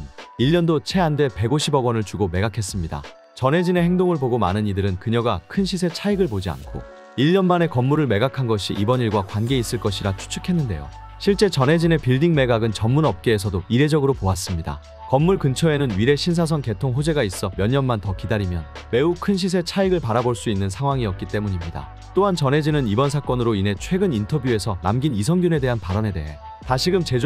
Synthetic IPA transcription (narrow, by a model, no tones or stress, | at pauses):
iʎːʌndot͡ɕʰe̞ande̞pe̞ɡoɕʰibʌɡwʌnɯɭt͡ɕuɡome̞ɡakʰe̞s͈ɯmɲida̰ | t͡ɕʌnɦe̞d͡ʑine̞heŋdoŋɯɭboɡoma̰nɯnidɯɾɯnkɯɲʌɡakʰɯnɕʰisʰe̞t͡ɕʰaiɡɯɭpod͡ʑia̰nkʰo̰ | iʎːʌnmane̞kʌmːuɾɯɭme̞ɡakʰanɡʌɕʰiʔibʌɲiɭɡwakwanɡe̞is͈ɯɭk͈ʌɕʰiɾat͡ɕʰu̥t͡ɕʰɯkʰe̞nːɯnde̞jo̰ | ɕʰiɭt͡ɕ͈e̞t͡ɕʌnɦe̞d͡ʑine̞piɭdiŋme̞ɡaɡɯnt͡ɕʌmmunʌp̚k͈eːsʰʌdoiɾe̞d͡ʑʌɡɯɾopoas͈ɯmɲida̰ | kʌmːuɭkɯnt͡ɕʰʌenɯnɥiɾe̞ɕʰinsʰas̬ʰʌŋke̞tʰoŋɦod͡ʑe̞ɡais͈ʌmjʌɲːʌnmantʌkidaɾimjʌn | me̞ukʰɯnɕ̬ʰis̬ʰe̞t͡ɕʰaiɡɯɭpaɾaboɭs͈uinːɯnsʰaŋɦwaŋiʌk̚k͈it͈e̞muɲimɲida̰ | t͈oɦant͡ɕʌnɦe̞d͡ʑinɯnibʌnsʰak͈ʌnɯɾoinɦe̞t͡ɕʰwe̞ɡɯnintʰʌbjue̞sʰʌna̰mɡinisʰʌŋɡjune̞de̞ɦanpaɾʌne̞de̞ɦe̞ | taɕʰiɡɯmt͡ɕe̞d͡ʑ